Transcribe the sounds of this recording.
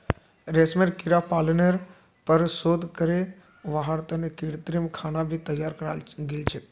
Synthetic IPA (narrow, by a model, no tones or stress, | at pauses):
ɾeːsmeɾkɪɾapaːlneɾ | pəɾsoːd̪ʱkəɾe | ʋaːɦaɾt̪ənekiːɽt̪ɾimkʰaːnabʱit̪ɐjaːɾkəɾaɡelt͡ʃʰe